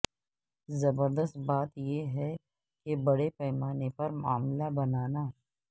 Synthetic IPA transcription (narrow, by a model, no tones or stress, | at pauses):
zɐbəɾd̪əst̪baːt̪jeɦɛ | kebɐɽepɛːmaːnepɐɾmaːmlabɐnaːnaː